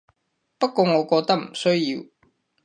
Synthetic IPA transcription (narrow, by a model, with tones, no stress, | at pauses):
pɐ˥t̚kɔː˧ŋɔ˨˧kɔː˧t̪ɐ˥k̚m̩˨˩sɵ˥ɥji˧w